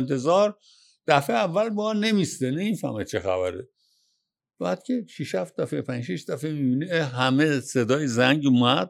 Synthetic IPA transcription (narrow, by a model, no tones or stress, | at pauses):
nt̪ʰe̞zɒɾ | d̪̥æfeævːælbɒne̞mist̪enemifæ̰ɾmet͡ʃʰexæ̰bæɾḛ | b̥æːd̪̥cʰeʃiʃhæft̪̚d̪æfepʰænd͡ʒʃiʃd̪æfemibiniɦæmesed̪ɒːjezæŋɟumæd̪̥̚